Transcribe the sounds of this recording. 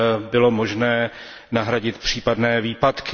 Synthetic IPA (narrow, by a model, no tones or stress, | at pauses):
bɪlo̞mo̞ʒnɛː | naɦɾaɟɪt̪pr̝̥iːpadnɛːviːpat̪k